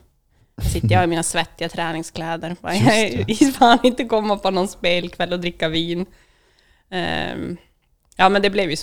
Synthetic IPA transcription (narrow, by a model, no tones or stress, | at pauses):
sɪt̪ːəjɑɡɪmiːnasvɛt̪ːɪat̪ʰɾæːnɪŋskʰlɛːd̪əɾbajɑfaːnɪnt̪əkʰɔmːapʰɔnɔnspeːlkʰvɛlːɔd̪ɾɪkːaviːn | jɑːmɛnd̪ɛblɛvjɵs